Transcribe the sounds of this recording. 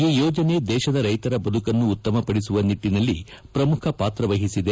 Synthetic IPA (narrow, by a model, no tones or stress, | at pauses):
iːjɔːd͡ʒɐne̞d̪ɛːʃɐd̪ɐɾɐjt̪ɐɾɐbɐd̪ʱukɐnːuːt̪ːɐmɐpɐɽis̬uʋɐniʈːinɐlːipɾɐmukʰɐpaːt̪ɾɐʋɐɦisid̪e